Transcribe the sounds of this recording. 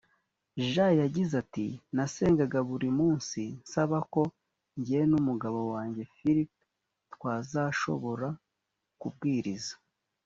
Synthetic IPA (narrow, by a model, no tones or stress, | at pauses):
ʒajaɟizatḭnase̞ːŋɡaɡaβuɾimuːnsinsaβako̞ | ɲɟienumuɡaβo̞waːɲɟe̞fiɾip | twaːzaʃo̞̰βo̞ɾa | kub̚ɡiːɾizḁ